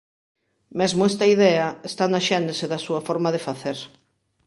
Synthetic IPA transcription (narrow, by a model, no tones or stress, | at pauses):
mɛzmʊɛst̪ɐiðɛɐest̪anaʃɛnd̪ɪseðɐsuɐfɔɾmɐðefaθeɾ